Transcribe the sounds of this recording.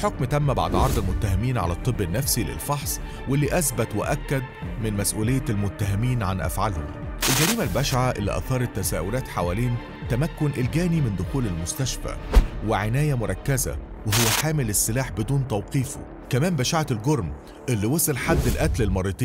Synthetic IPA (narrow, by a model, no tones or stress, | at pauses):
ħokmt̪æmːæba̰ʕd̪ʕɑɾˤd̪ˤɪlmʊt̪ːæɦɪmiːnʕa̰læt̪ˤːɨbːenːæfsilɪ̰lfɑħsˤ | welːiːʔæsbæt̪weʔækːæd̪̚mɪnmæsʔuːlejːælmʊt̪ːæɦɪmiːnʕanʔæ̰fʕalho̰mʔelɡæɾiːmælbæʃʕaʔɪ̰lːḭʔɑ̰θɑːɾˤɑt̪ːæsæːʔʊlæːt̪ħawæːleːn | t̪æmækːʊnʔelɡæːnimɪnd̪ʊxuːlelmʊst̪æʃfæ̰wɪʕenæːjæmʊɾˤɑkːæzæ̰ | weɦowːæħaːmɪlɪsːelaːħbɪd̪uːnt̪æwqiːfo̰ | kæmæːmbæʃaʕalɡoɾˤm | ʔelːiwɑsˤelħad̪ːɪlʔæt̪lelmɑɾˤiːt̪ˤiː